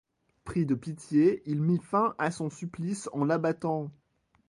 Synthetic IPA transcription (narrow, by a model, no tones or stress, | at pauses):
pχid̪əpit̪jeilmifɛ̃ʔasɔ̃syplisɑ̃labat̪ɑ̃